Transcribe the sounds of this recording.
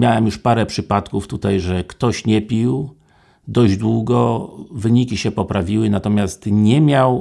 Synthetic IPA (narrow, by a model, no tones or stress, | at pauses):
mʲjawɛmjuʂpaɾɛpʂɘpat̪kuft̪ut̪ajʐɛkt̪ɔɕɲɛpʲiw | d̪ɔʑd͡ʑd̪wuɡɔvɘɲikʲiɕɛpɔpɾavʲiwɘnat̪ɔmʲjast̪ɲɛmʲjaw